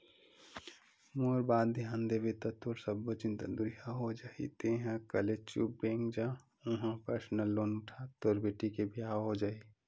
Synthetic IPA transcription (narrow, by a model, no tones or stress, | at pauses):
moːɾbaːd̪d̪ʱijãːnd̪ebet̪ət̪oɾsəbːot͡ʃɪ̃nt̪əd̪ʊɾiɦaɦod͡ʒaːḭt̪eːɦãkəlet͡ʃṵːp̚bẽːŋkd͡ʒã | ʊ̃ɦãpəɾsnəlːoːnʊʈʰat̪oːɾbeːʈikebʱiaɦod͡ʒaːi